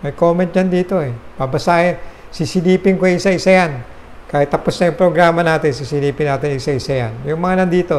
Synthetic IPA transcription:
mɐjkoːmɛnt̪̚jɐnd̪iːt̪o̞ɛpɐbɐsaːʔɛsisɪliːpɪŋkoɪsaʔɪsɐjan | kaːhɪt̪ːɐposnɐjʊŋpɾoɡɾaːmɐnaːt̪ɪns̬isɪliːpɪnːaːt̪ɪnisaʔɪsɐjanjʊŋmɐŋanɐnd̪iːt̪o̞

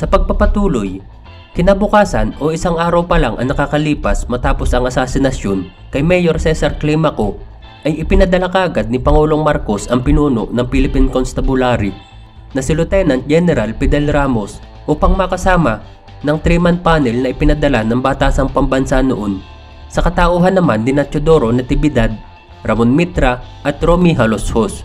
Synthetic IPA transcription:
sɐpɐɡ̚pɐpɐt̪uːloj | kɪnabʊkaːsɐnʔo̞ʔɪsaŋʔaːɾɐwpɐlaŋʔɐ̰ŋnɐkakɐliːpɐsmɐt̪aːpo̞sɐŋɐsaːsɪnɐsjon | kɐjmɛjoɾsɛsɐɾklimɐko̞ | ʔɐjʔɪpɪnɐd̪ɐlakaːɡɐd̪̚nɪpɐŋuːloŋmaɾko̞sɐŋpɪnuːno̞ʔnɐŋpilɪpinkonst̪ɐbʊlaɾi | nɐsɪlʊt̪ɛnɐnt̪̚d͡ʒɛnɛɾɐlpɛd̪ɛlɾaːmo̞s | ʔuːpɐŋmɐkɐsaːmɐ | nɐŋt̪ɾimɐn̚paːnɛlnɐʔɪpɪnɐd̪ɐlanɐŋbaːt̪aːsɐŋpɐmbɐnsanoʔo̞n | sɐkɐt̪aʔoːɦɐnːɐmanːɪnɐt͡ʃod̪o̞ːɾo̞nɐt̪ɪbɪd̪ad̪̚ | ɾɐmonmit̪ɾɐʔɐt̪ɾomiɦɐloshos

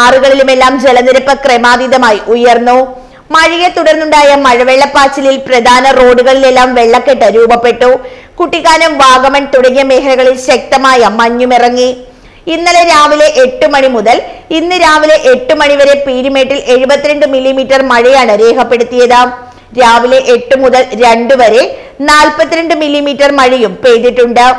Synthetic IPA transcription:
aːruɣɐɭilume̞lːaːmd͡ʑe̞lɐniɾɐpːɐkremaːd̪iðɐmaːjiʔujɐrnːu | mɐɻijet̪uɽɐrnuɳɖaːjɐmɐɻɐʋeɭːɐpːaːt͡ɕːililprɐd̪ʱaːnɐro̞ːɖuɣɐɭilelːaːmʋe̞ɭːɐkːeʈːɐɾuːbɐpːe̞ʈːukuʈːiɣaːnɐmʋaːɡɐmɐnt̪uɽɐŋːjɐme̞ːɦɐnɐɣɐɭilɕɐk̚t̪ɐmaːjɐmɐɲːumirɐŋːi | inːɐleɾaːʋile̞ʔeʈːɨmɐɳimuðɐlinːɨɾaːʋile̞ʔeʈːɨmɐɳiʋɐɾe̞piːɾimeːʈːile̞ɻubɐt̪ːiɾeɳɖɨmilːimiːʈːɐrmɐɻijaːɳɨɾe̞ːkɐpːe̞ɽut̪ːijɐðɨ | ɾaːʋile̞ʔeʈːumuðɐlɾeɳɖuʋɐɾe̞ | naːlpɐt̪ːiɾeɳɖɨmilːimiːʈːɐrmɐɻijumpeːd̪iʈːuɳɖɨ

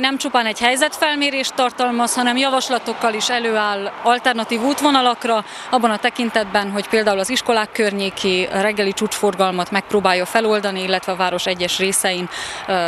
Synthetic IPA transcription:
nɛmt͡ʃupaːnɛɟhɛjzɛt̪fɛlmeːɾeːʃt̪ːɒrt̪ɒlmɒshɒnɛmjɒvɒʃlɒt̪o̞kːɒliʃɛløːaːlɒlt̪ɛrnɒt̪iːvuːt̪ʋo̞nɒlɒkrɒ | ɒbːɒnɒt̪ɛkint̪ɛd̪̚bɛnɦo̞cpeːld̪aːulɒziʃko̞laːkːørɲeːkʰirɛɡːɛlit͡ʃuːt͡ʃfo̞rɡɒlmɒt̪mɛk̚proːbaːjːɒfɛlo̞ld̪ɒniilːɛt̪ʋɛɒvaːɾo̞ʃɛɟːɛʃreːsɛjin

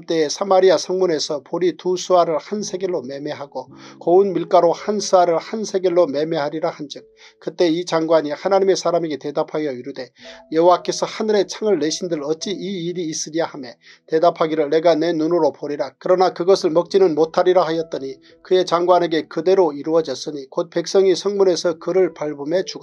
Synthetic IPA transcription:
mt͈e̞esʰamaɾiasʰʌŋmune̞sʰʌpoɾitusʰuaɾɯɭhansʰe̞ɡeɭːome̞me̞ɦaɡ̥okʌɯnmiɭk͈aɾohansʰuaɾɯɭhansʰe̞ɡeɭːome̞me̞ɦaɾiɾahand͡ʑɯk̚ | kɯt͈e̞it͡ɕaŋɡwaɲihanaɲime̞sʰaɾameɡe̞te̞dapʰajʌiɾude̞jʌɦowak͈e̞sʰʌhanɯɾe̞t͡ɕʰaŋɯɭːeɕʰindɯɾɯɭʌt̚t͡ɕ͈iiːɾiːs͈ɯɾiahame̞ | te̞dapʰaɡiɾɯɭːe̞ɡane̞nunuɾopoɾiɾakɯɾʌnakɯɡʌsʰɯɭmʌk̚t͡ɕ͈inɯnmotʰaɾiɾahajʌt̚t͈ʌɲi | kɯe̞t͡ɕaŋɡwane̞ɡe̞kɯde̞ɾoiɾuʌd͡ʑʌs͈ɯɲikot̚pe̞k̚s͈ʌŋisʰʌŋmunesʰʌkɯɾɯɭpaɭbɯme̞t͡ɕuɡa

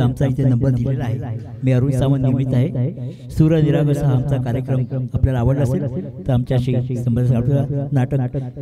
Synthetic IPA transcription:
amt͡saɦit̪enəmbəɾd̪ilelaaɦe | miːaɾuːnsaʋənnːimit̪aɦe | suɾəniɾaɡəsaɦaamt͡sakaɾjəkɾəmapljalaːʋəɽlaselt̪əɾamt͡ɕjaɕisəmbəd̪asaat̪uanaʈək

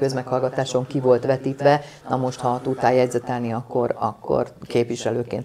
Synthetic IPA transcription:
kø̞zmɛkhɒlɡɒt̪aːʃo̞ŋkivo̞lt̪ʋɛt̪iːt̪ʋɛ | nɒmo̞ʃt̪hɒt̪ut̪ːaːjɛɟzɛt̪ɛlniɒkːo̞ɾɒkːo̰rkeːpʋiʃɛløːkḛːnt̪

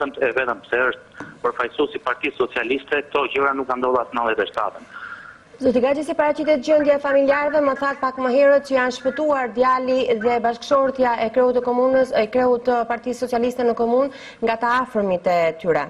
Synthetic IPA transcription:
əmt̪ɛvɛt̪əmpsɛəʃt̪̚pəɾfajsusipaɾt̪isɔt͡sialist̪ɛk̚t̪ɔɟəɾanukːand̪ɔlˠasnalˠɛt̪ɛʃt̪a̰t̪ən | zɔt̪iɡad͡ʑisipaɾat͡ɕit̪ɛt̪̚d͡ʑənd̪jɛfamiliaɾvɛməθat̪̚pakməɦɛɾət̪̚t͡ɕəjanʃpət̪uaɾd̪jaliðɛbaʃkʃɔɾt̪jaʔɛkɾɛut̪ːəkɔmunəsəjkɾɛut̪paɾt̪isɔt͡sialist̪ɛnəkɔmun | ŋɡat̪aːfɾmit̪ɛt̪yɾɛ

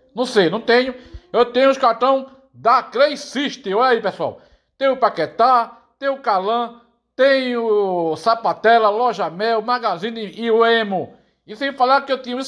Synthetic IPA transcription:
nɐ̃w̃sejnɐ̃w̃t̪ẽɲʊewt̪ẽɲʊʊʃkaɾt̪ɐ̃w̃ | d̪akɾejsiʃt̪ɪoɛaipesua̰w | t̪ẽj̃ʊpaket̪a | t̪ẽj̃ʊkalɐ̃ | t̪ẽj̃ʊsapat̪ɛlɐlɔʒɐmɛwmaɡazĩniiuẽmʊ | ɪsẽj̃falaɾkɪewt̪ĩɲʊ̃is

